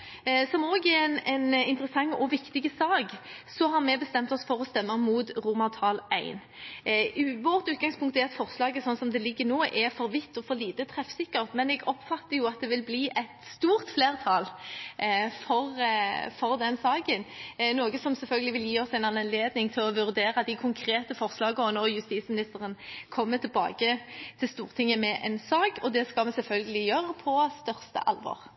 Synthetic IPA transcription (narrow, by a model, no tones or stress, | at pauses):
sɔmoːɡɛɾnɛnɪnt̪əɾəsɑŋːɔʋɪkt̪ɪɡəsɑːɡsɔɦɑɾmɛbəst̪ɛmt̪ɔsfɔɾɔst̪ɛmːəmuːt̪ʁumɑt̪ʰɑːlæɪn | ʋɔɾt̪ʉːt̪̚ɡɑŋspʰʊŋkt̪ɛɑt̪fɔʁslɑːɡəsɔnsɔmd̪ɛlɪɡːənoːʔɛɾfɔɾʋɪt̪ːɔfɔɾliːt̪ət̪ʰʁɛfsɪkːəɾʁt̪mɛnɛɡɔpfɑt̪ːəɾjʊɑt̪̚d̪ɛʋɪlbliːʔɛt̪st̪uːɾt̪fleːʁt̪ʰɑl | fɔʁfɔɾd̪ɛnsɑːɡənnoːɡəsɔmsɛlfœlɡəlɪʋɪljiːɔsæɪnɑnleːd̪nɪŋt̪ʰɪlɔʋʉʁd̪eːɾɑd̪ɪkʰʊŋkʰɾeːt̪əfɔʁslɑːɡəɔnɔʁjʉst̪iːt̪smɪnɪst̪əʁənkʰɔmːət̪ʰɪlbɑ̰ːɡət̪ʰɪlst̪uːʁt̪ʰɪŋːəmɛʔɛnsɑːkɔd̪ɛskɑlmɛsɛlfœlɡəlɪjøːɾəpʰɔst̪œʁst̪ə̰ʔɑ̰lʋɔ̰ːʁ